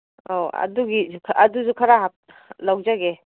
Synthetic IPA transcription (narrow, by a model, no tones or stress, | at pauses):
oa̰duɡikʰaduzukʰaɾaɦap̚ | lawd͡ʒaɡe